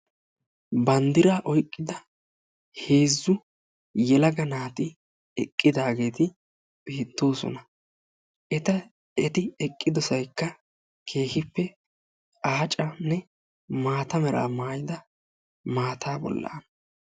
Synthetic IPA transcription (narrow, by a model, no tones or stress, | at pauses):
bɐnd̪ɪɾaːʔɔjkʼːɪd̪ɐ | he̞ːzːʊ | jɛlɐɡɐnaːt̪ɪ | ɛkʼːɪd̪aːɡe̞ːt̪ɪ | beːt̪ːo̞ːsɔ̰nɐ | ɛt̪ɐ | ɛt̪ɪɛkʼːɪd̪ɔsɐjkːɐ | kʰe̞ːhɪpːɛ | aːt͡ʃʼɐnːɛ | maːt̪ɐmɛɾa̰ːmaːjɪd̪ɐ | maːt̪ʰaːbɔ̰lːa̰ːn